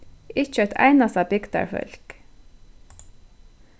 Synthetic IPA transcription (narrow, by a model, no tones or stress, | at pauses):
ɪt͡ʃət̪ʰæ̰ɪnɑsɑbɪɡt̪ɑ̰ɹfœ̰lk